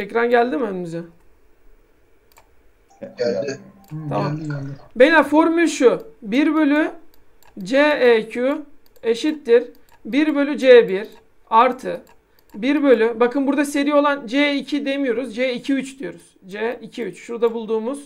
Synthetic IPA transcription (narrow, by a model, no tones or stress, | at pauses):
ɛcɾanɟælʲd̪imønimyzɛ | amambelʲafo̞ɾmylʲʃubiɾbø̞lʲy | d͡ʒeɛcʰu | e̞ʃit̪ːiɾ | biɾbø̞lʲyd͡ʒeːbiɾ | aɾt̪ʰɯ | biɾbø̞lʲybakʰɯnbuɾd̪ase̞ɾijo̞lˠand͡ʒeicʰid̪e̞mijo̞ɾuzd͡ʒeicʰiyt͡ʃd̪ijo̞ɾuz̥d͡ʒeicʰiyt͡ʃʃuɾd̪abulˠd̪uːmuz̥